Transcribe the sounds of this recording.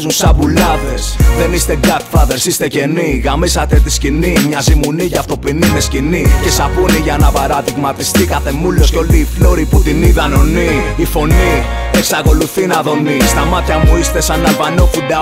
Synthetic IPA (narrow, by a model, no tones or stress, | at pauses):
zunsɐvulɐðe̞sðe̞nist̪e̞ɡɐθɐðe̞ɾsist̪ece̞niɣamisɐt̪et̪iscinimɲɐzimuniʝɐft̪o̞pininescinice̞sɐpuniʝɐnɐpaɾɐðiɣmɐt̪ist̪ikɐθe̞mulo̞sco̞liːflo̞ɾiput̪iniðɐno̞niː | fo̞ni | eksɐko̞luθinɐðo̞nist̪ɐmɐt̪çɐmuist̪e̞sɐnːɐvɐno̞fud̪ɐ